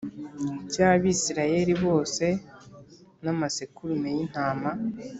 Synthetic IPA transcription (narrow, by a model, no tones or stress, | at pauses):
caːβisiɾaje̞ɾiβo̞ːse̞ | namasekuɾunejin̥haːma